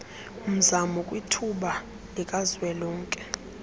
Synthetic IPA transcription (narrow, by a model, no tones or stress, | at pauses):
um̩zamɔkʼwitʰuɓa | lɛkʼazwɛlɔːŋkʼɛ